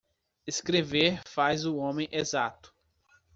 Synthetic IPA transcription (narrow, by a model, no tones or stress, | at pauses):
eskɾeveɾfazʊõmẽj̃ʔezat̪ʊ̥